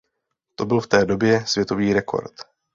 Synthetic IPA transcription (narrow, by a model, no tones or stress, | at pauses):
t̪o̞bɪlft̪ɛːdo̞bjɛsvjɛt̪o̞viːɾɛkʰo̰ɾt̪